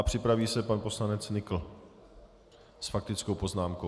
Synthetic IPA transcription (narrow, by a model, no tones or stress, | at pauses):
apr̝̥ɪpɾaviːsɛpanpo̞slanɛt͡snɪkl̩ | sfak̚t̪ɪt͡skowpo̞znaːmko